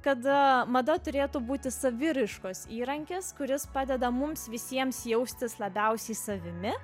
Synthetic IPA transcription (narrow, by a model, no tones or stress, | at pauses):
kɐt̪mɐd̪ɐt̪ʊɾʲeːt̪ubuːt̪ʲɪsɐʋʲɪɾɪʃkoːsiːɾɐŋʲkʲeskʊɾʲɪspɑːd̪ʲɛd̪ɐmʊmsʋʲɪsʲiɛmsjɛʊsʲt̪ʲɪslˠɐbʲɛʊsʲɛɪsɐʋʲɪmʲɪ